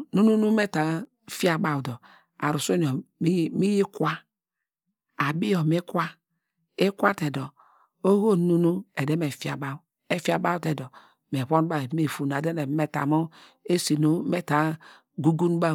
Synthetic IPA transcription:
nu˦nu˦nu˦me˦ta˨ | fi˦a˨ba˨wdɔ˨ | a˨ɾu˨so˦n˨o˨˦mi˦ji˦kʷa˦ | a˨bi˦jɔ˨me˦kʷa˦ | e˦kʷa˦te˨dɔ˨ | o˦ho˦˨nu˦nu˦e˨de˦me˨fa˨ba˦w | e˦fi˦a˨ba˦wte˨dɔ˨ | me˨βʷo˦nu˦ba˦˨me˨fu˨n˨a˨de˦ne˨˦me˨ta̰˨mo˦ | e˦si˨nu˦me˦ta˨ | ɡu˦ɡu˦n˦ba˦

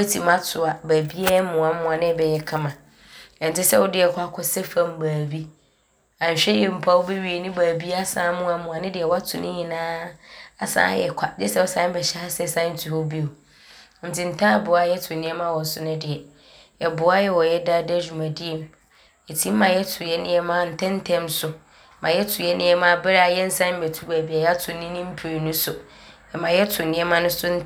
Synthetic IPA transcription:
wɔ˦tʰĩ˨mã˦tʰʊ˨a˨bæ˨bi˦a˦mʊ̃˨a˨mʊ̃˦a˨nɪ̃˦bɛ˨jɛ˨kʰã˦mã˨ | ɛ̃˨n̩˨tʰɪ˦sɛ˦wɔ˦dɪ˨˦ɛ˨kʷʰa˦kʰɔ˦sɛ˦fã˦m˦baː˨bi˦ | ã˨ɲ̩˨ɕᶣɛ˦jɛ˨m̩˨pʰa˦wɔ˦be˦ɥi˨e˨nɪ̃˦baː˨bi˦a˦sãː˨˦mʊ̃˦a˨mʊ̃˨a˨nɪ̃˦dɪ˨ɛ˨wɔ˦a˦tʰʊ̃˨nʔɪ̃˦ɲĩ˨nãː˦a˨sã̰ː˦jɛ̰˨kʷʰa˨dɛ˦sɛ˦ɔ˦sã˦n˦bɛ˨ɕɛ˦a˦sɛ˦˨sã˦n̩˦tʰu˨hɔ˦bi˦o˨ | n̩˨tʰi˨n̩˨tʰã˦˨bʊ˨a˦jɛ˦tʰʊ˨nɪ̃˦ɛ˦mã˦wɔ˨n˨sʊ˦nʊ̃˦dɪ˨ɛ˨ | ɛ˨bʊ˨˦a˦jɛ˦wɔ˨jɛ˦da˦dd͡ʑᶣu˨mã˨di˦ɛ˨m | e˨tʰi˦m̩˦mã˨jɛ˦tʰʊ˨jɛ˦nɪ̃˦ɛ˦mã˦n̩˨tʰɛ̃˦n̩˦tʰɛ̃˦msʊ˨˦ | mʔã˨jɛ˦tʰʊ˨jɛ˦nɪ̃˦ɛ˦mã˦bɛ˦ɾa˨˦jɛ˦n̩˦sã˦m̩˦bɛ˨tʰu˦ɾæ˨bi˨˦a˨jɛ˦a˦tʰʊ̃˨nɪ̃˦nɪ̃˦m̩˦pʰɾe˨nũ˦sʊ˨ | ɛ˨mã˨jɛ˦tʰʊ˨nɪ̃˦ɛ˦mã˦nʊ̃˦sʊ˦n̩˦

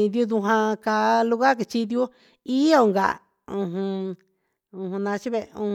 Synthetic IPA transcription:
d̪ju˧d̪u˧ɦã˧ka˧lu˧ɣa˦k̬i˧t͡ʃi˧d̪ju˦ | i˦o˧˨ŋɡa̰˨ | ũ˧ɦũ˧ | ũ˧hũ˧nã˧t͡ʃi˦βe˧ṵ̃˧

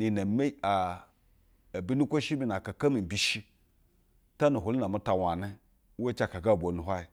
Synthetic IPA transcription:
ni˨na˨me˦a˨ | bi˦nu˦kʷo˦ʃi˦bi˦n˨a˨ka˨ka˦mi˨m˨bi˨ʃi˦ | ta˦nu˨ɦu˨li˦na˨mu˦ta˨wa˨ne˦ | we˦t͡ʃa˦˨ka˨ka˦˨bʷo˨nu˨ɦʷa˦i˨

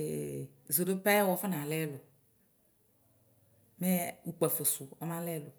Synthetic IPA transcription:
zo˨do˦pɛ˦wɔ˨˦fɔ˦nã˨lɛ˦lo˨ | me˦u˦k͡pɛ˨fo˨su˨ɔ˦mã˦lɛ˦lo˨

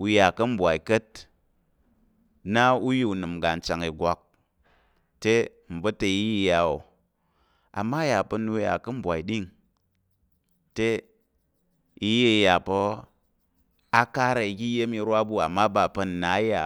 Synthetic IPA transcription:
u˧ja˨kɐ˦m̩˦bʷa˨i˨kɐ˦t̚ | na˦u˦ji˦u˨nɨ˨mɡa˨n̩˨t͡ʃa˨ŋi˨ɡʷa˨k̚ | te˦ | m̩˨bɐ˦te˧i˦jja˨o˨ | a̰˨mːa˦ja˨pɐ˧nu˧˦ja̰˨kɐ˦m̩˦bʷa˨i˨ɗi˦ŋ | te˦ | i˧je˦i˨ja˨po˧ | a˦ka˦ɾa˨i˧ɡʲi˦je˦mi˧ɾwa˦bu˦a˨mːa˦ba˨pɐ˧n˨na˨˦ja˨

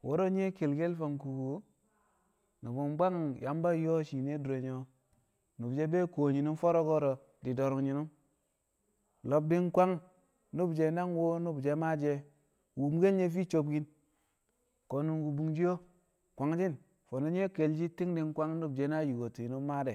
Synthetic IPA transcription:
wo˦ɾo˦ɲ˦e˦ke˨lɡe˦lfo˨ŋku˨ɡu˨˦ | ni˨bo˨mba˦ŋja˨˦mba˦jo˦ʃi˨ne˦du˨ɾo˨ɲo˦ | nu˨bd͡ʒe˦be˦ko˨ɲi˨nu˦mfo˦ɾo˦ɡo˦ɾo˨ | di˨do˨ɾu˨ŋɲi˨nu˦m | lo˨b̚di˦nkʷa˦ŋ | nu˦bd͡ʒe˦na˦ŋwo˦nu˦bd͡ʒe˦ma˦d͡ʒe˦ | wu˨m˦ɡe˦lɲe˦fi˦t͡ʃo˨b̚ɡi˦n | ko˨nu˨nɡu˨bu˨ŋd͡ʒi˦jo˦ | kʷa˨ŋd͡ʒi˦n | fo˨no˦ɲ˦e˦ke˨ld͡ʒi˦ti˦ŋdi˦nkʷa˦ŋnu˦bd͡ʒe˦na˦ju˨ɡo˨ti˨i˨nu˦mːa˦de˨

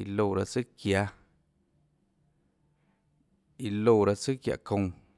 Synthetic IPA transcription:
ḭ˧lo˧˨ɾa˧t͡sɨ˦kja˧ | i˧lo˧˨ɾa˧t͡sɨ˦kja̰˨kõ˧ŋ

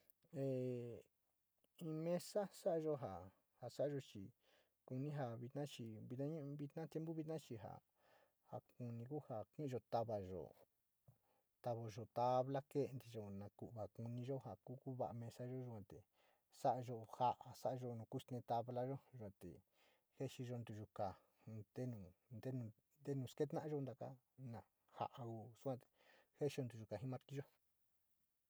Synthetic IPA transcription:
e˨ | ĩ˧mẽ˧sa˦sa˦ʔa˧ʒo˦ɦa˨ | ha˨sa˦a˧ʒo˧t͡ʃi˧ | ku˧nĩ˦ɦa˧βi˧t̪nã˦t͡ʃi˧βi˧nã˦ɲũ˦˧βi˧t̪nã˦t̪je˧˦mbu˦βi˧nã˦t͡ʃi˧ɦa̰˨ | ha̰˧ku˧nĩ˧ku˦ha˧˨kĩ˦ʔʒo˧t̪a˧βa˨ʒo̰˨ | t̪a˧βo˧ʒo˨t̪a˧βla˦ke˦˧nd̪i˧ʒo˧nã˧ku˨ʔβa˨ku˧nĩ˧ʒo˦ha˨ku˦ku˦βa̰˧ʔa˧mẽ˧sa˦ʒo˦ʒu˧kʷã˧t̪ḛ˨ | sa˦ʔa˧ʒo˧ha˧ʔa˧sa˦ʔa˧ʒo˧nũ˧ku˦st̪ẽ˧t̪a˧βla˦ʒo˦ʒa˧t̪ḛ˨ | he˦ʃi˧ʒo˧nd̪u˧˨ʒu˧ka˨ | d̪e˦nũ˨nd̪e˦nũ˧ | nd̪e˦nũː˨˧˨ske˦t̪nã˦ʔã˧ʒo˦˧nd̪a˧ka̰˦ | nã˨ | ha̰˧ʔa˧ku˧su˦kʷã˧t̪e̥˨he˦ʃi˧o˧nd̪u˧ʒu˧ka˨ɦĩ˦mã˧t̪i˦ʒo˦

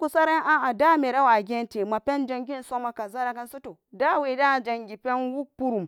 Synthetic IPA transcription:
ku˨sa˦ɾa˦ʔa˦a˨da˦me˨ɾa˦wa˨ɡʲe˦nte˨ma˨pɛ˦nd͡ʒa˦ŋɡʲi˦nso˦ma˨ka˨za˦ɾa˦ka˦n˦su˦to˨da˦we˨da˦˨d͡ʒa˨ŋɡʲi˨pɛ˦nwu˦pu˦ɾu˨m

